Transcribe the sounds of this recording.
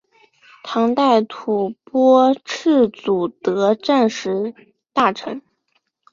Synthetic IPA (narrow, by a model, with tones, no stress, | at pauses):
t̪ʰɑ˧˥ŋt̪a˥˩ɪt̪ʰu˨˩pwɔ˥ʈ͡ʂ̩ʰ˥˩t͡su˨˩t̪ɤ˧˥ʈ͡ʂa˥˧nʂɻ̩˧˥ | t̪a˥˩ʈ͡ʂʰɤ˧˥ŋ